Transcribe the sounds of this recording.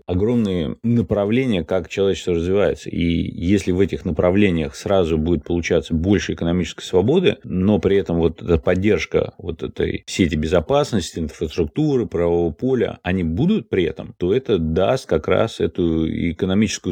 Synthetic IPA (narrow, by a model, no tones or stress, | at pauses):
ɐɡɾo̞mnɨjə̰nəpɾɐvlʲenʲɪjəkakt͡ɕɪlˠɐvʲet͡ɕɪst̪vəɾəzvʲɪvajɪt̪sə̰ʔḭjesʲlʲɪvɛtʲɪxnəpɾɐvlʲenʲɪjəxsɾazʊbudʲɪt̪̚pəlˠʊt͡ɕat̪səbo̞lʲʂɨɪkənɐmʲit͡ɕɪ̥skə̥jsvɐbo̞d̪ɨno̞pɾʲɪɛt̪əmvo̞t̪ɛt̪əpɐdʲːe̞rʂkə̰vo̞̰t̪ɛt̪ə̰jsʲetʲɪbʲɪzɐpasnəsʲtʲɪɪnfɾəst̪ɾʊk̚t̪uɾɨpɾɐvɐovəpo̞lʲə̰ɐnʲibud̪ʊt̪̚pɾʲɪɛt̪ə̰mt̪o̞ɛt̪əd̪a̰st̪̚kɐkɾa̰sɛ̰t̪ʊɪ̰kənɐmʲit͡ɕɪ̥skʊ